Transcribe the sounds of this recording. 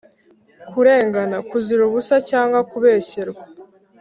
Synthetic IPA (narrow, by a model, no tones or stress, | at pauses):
kuɾe̞ːŋɡanakuziɾuβusacaːŋɡwakuβe̞ːɕeɾɡa